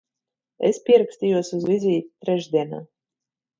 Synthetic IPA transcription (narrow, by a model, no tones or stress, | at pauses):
ḛspʲiɛɾaksʲt̪ʲijuɔsuzvʲizʲiːt̪ʲi̥t̪ɾɛʒd̪ʲiɛna̰ː